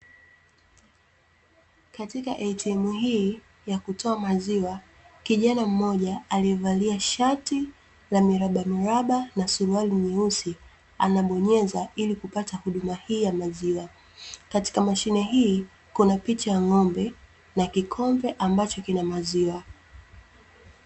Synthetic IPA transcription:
katika̰ʔɛtiɛmuɦiː | jakutʰɔamaziwa | kiʄanam̩mɔʄaaliɛvaliaʃati | lamiɾaɓamuɾaɓanasuɾualimɛusi | a̰naɓɔɲɛzailikupatahuɗumahiːjamaziwa | kati̥kamaʃinɛɦiː | kunapit͡ʃajaŋɔmbɛ | nakikʰɔmvɛʔambat͡ʃɔkinamaziwa

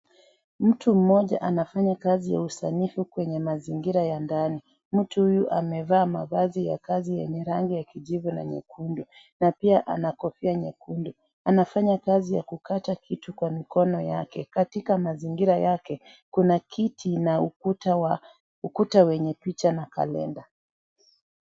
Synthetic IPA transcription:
m̩tʰum̩mɔʄa̰ʔanafaɲakazija̰usanifukwɛɲɛmaziŋɡiɾajandani | m̩tuhujuʔamɛvaːmavazija̰kazijɛɲɛɾaŋɡijakiʄivuna̰ɲɛ̰kʰundu | napiaʔa̰nakɔfiaɲɛkundu | anafaɲakazija̰kukatakʰitukwamikɔnɔjakɛkatikamaziŋɡiɾajakɛ | kunakʰitʰinautawa | ukutawɛɲɛpit͡ʃanaka̰lɛ̰nda

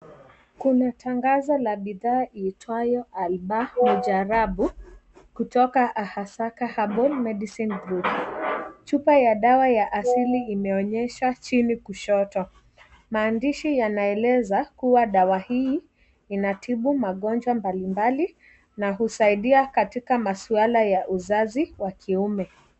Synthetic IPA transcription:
kunatʰaŋɡazɔlaɓiðaːʔiːtʰwajɔalɓamɔd͡ʒaɾaɓukutɔkaʔahasakahaɓɔlmɛɗisinɡɾut | t͡ʃupajaɗawajaʔasiliimɛɔɲɛʃat͡ʃinikuʃɔtɔ | maːndiʃijanaɛlɛzakuwaɗawahiː | inatʰiɓumaɠɔnd͡ʒwambalimbali | naɦusaiɗiakatikamasualajaʔuzaziwakʰiumɛ

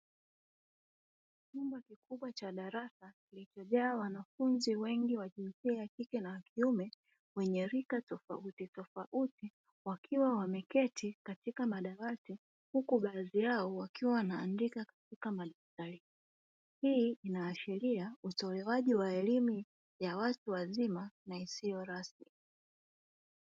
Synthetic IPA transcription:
t͡ʃumbakikuɓwat͡ʃaɗaɾasakilit͡ʃɔʄaːwanafunziwɛŋɡiwaʄinsiajakikɛnawakʰiumɛ | wɛɲɛɾikatɔfa̰utitɔfaʔuti | wakʰiwawamɛkɛtʰikatikamaɗaɾati | hukuɓazijaɔwakiwawanaːndikakḁtikamaɗaftali | hiːinaːʃɛliautɔlɛwaʄiwaɛlimu | jawatuwazimanaisijɔɾasmi

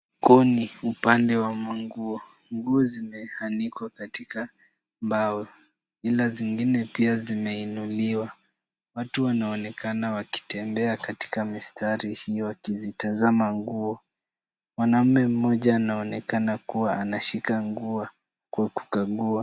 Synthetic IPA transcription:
kɔniupandɛwamaŋɡuɔ | ŋɡuɔzimɛhanikwakatika | mbawɔ | ilaziŋɡinɛpiazimɛinuliwa | watuwanaɔnɛkanawaki̥tɛmbɛakati̥kamistʰaɾihiɔwakizitazamaŋɡuɔ | mwanam̩mɛm̩mɔʄaːnaɔnɛkanakuwaʔanaʃikaŋɡua | kwaku̥kaɠua

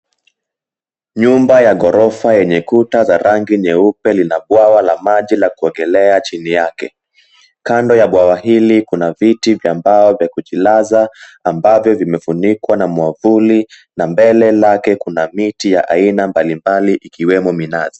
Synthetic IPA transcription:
ɲumbajaɠɔɾɔfajɛɲɛkutazaɾʔaŋɡiɲɛupɛlinaɓwawalamaʄilakuɔŋɡɛlɛat͡ʃinijakɛ̰ | kandɔjaɓwawaɦilikunavitivjambaɔvjakuʄilazaambavjɔvimɛfunikwanamwavuli | nambɛlɛlakɛkunamitijaʔainambalimbaliʔikiwɛmɔminazi

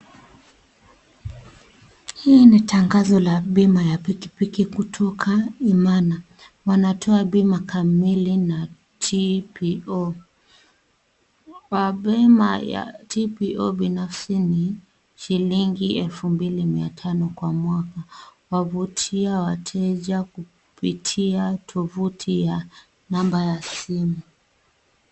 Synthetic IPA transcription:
hiːnitʰaŋɡazɔlaɓimajapikipikikutʰɔkʰaimana | wanatʰɔaɓimakʰamilina | tʰipiɔ | waɓɛmaja̰tʰipiʔɔɓinafsini | ʃiliŋɡiɛlfumbilimiatʰanɔkwamwakawavutʰiawatʰɛʄaku | pitʰiatʰɔvutʰija | nambajasimu

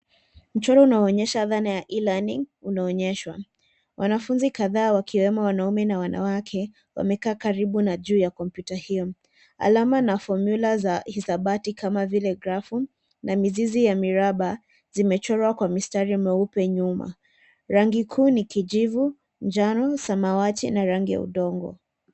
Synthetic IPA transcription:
m̩t͡ʃɔɾɔunaɔɔɲɛʃaðanajaʔilaniŋunaɔɲɛʃwa̰ | wʔanafunzikaðaːwakʰiwɛmɔwanaumɛnawana̰wakʰɛ | wa̰mɛkaːkaɾiɓunaʄuːjakɔmpjutahijɔ | a̰lamanafɔɾmjulazahisaɓatikamavilɛɡɾafu | namizizijamiɾaɓa | zimɛt͡ʃɔɾwakwamistaɾimɛupɛɲuma̰ | ɾaŋɡikʰuːnikid͡ʒivu | nd͡ʒanɔsamawatinaɾaŋɡija̰ṵɗɔŋɡɔ̰

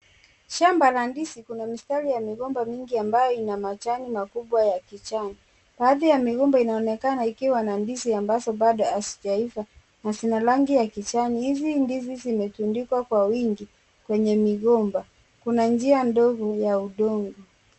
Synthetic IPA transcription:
ʃambalandisikunamistaɾijamiɣɔmbamiŋɡiambajɔinamat͡ʃanimakuɓwajakit͡ʃani | ɓaːðijamiɣɔmbainaɔnɛkanaikiwanandisiambazɔɓaɗɔasi̥d͡ʒaifa | nasinalaŋɡijakit͡ʃanihizindizizimɛtundikwakwawiŋɡi | kwɛɲɛmiɣɔmba | kunand͡ʒiandɔɣɔjauɗɔŋɡɔ

